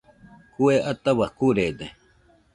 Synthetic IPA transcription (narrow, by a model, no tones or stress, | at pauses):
kueʔat̪aβakuɾed̪e